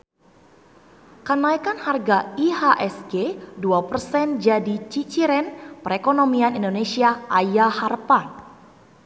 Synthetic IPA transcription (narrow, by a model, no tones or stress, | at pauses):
kənaikanharɡaihaʔɛsɡeduapərsɛnd͡ʒadit͡ʃit͡ʃiɾɛnpəɾekonomianindonesiaʔajaharpan